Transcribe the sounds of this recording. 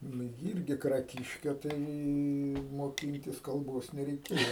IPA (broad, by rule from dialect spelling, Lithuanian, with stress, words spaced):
ˈnʊ jɪ ˈɪrʲɡʲɪ krɐˈkʲɪʃʲkʲɛ ˈtɐɪ moːˈkʲɪnʲtʲɪs kɐlˠˈboːs nʲɛrʲɛɪˈkʲeːjoː